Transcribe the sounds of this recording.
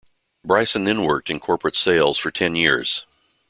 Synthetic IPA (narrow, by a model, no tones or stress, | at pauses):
bɹaɪsɨ̃nðɨ̃nwɜ˞k̚tɨ̃nkʰɔɹpɹɨtseɪlˠz̥fə˞tʰɛ̃njɪɹz̥